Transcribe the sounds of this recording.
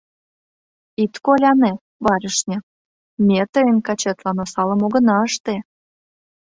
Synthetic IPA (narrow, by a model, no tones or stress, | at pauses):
it̪kolʲɑne | βɑɾʲəʃnʲĕ | mʲet̪əjənkɑt͡ɕet̪lɑnosɑləmoɣə̆nɑəʃt̪e